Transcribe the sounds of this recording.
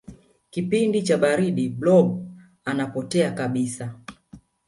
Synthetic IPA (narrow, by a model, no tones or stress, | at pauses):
kipindit͡ʃaɓaɾiɗiblɔb̚ | anapɔtɛakaɓisa